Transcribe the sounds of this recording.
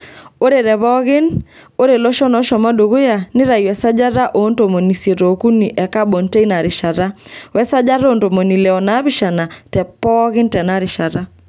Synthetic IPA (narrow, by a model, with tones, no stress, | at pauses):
o˦ɾe˨ɾɛ˨βɔ˦ɣɪ˦no˦ɾe˨lɔ˦ʃɔ˦nɔ˦ʃɔ˨ma˦do˨ɣo˦ja˨nɪ˦ɾa˨jwɛ˨sa˦d͡ʒa˦ɾa˦ʔo˦nto˨mo˨ni˨sje˨ɾo˨ku˦ni˨ʔɛ˨ka˦bo˨nte˦i˦na˨ɾɪ˨ʃa˨ɾa˦wɛ˦sa˦d͡ʒa˦ɾo˦nto˨mo˨ni˨lɛ˨ɔ˨na˨˦bɪ˦ʃa˨na˨tɛ˨pɔ˦ɣɪ˦ntɛ˨na˦ɾɪ˨ʃa˨ɾa˦